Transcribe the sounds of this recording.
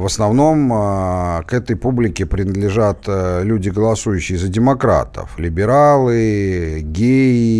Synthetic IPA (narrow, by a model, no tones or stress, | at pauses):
vəsnɐvno̞m | kɛt̪əjpublʲɪkʲɪpɾʲɪnəd̪lʲɪʐat̪lʲudʲɪɡəlˠɐsujʉɕːɪjɪzədʲɪmɐkɾa̰t̪ə̰flʲɪbʲɪɾalˠɨ | ɡʲeɪ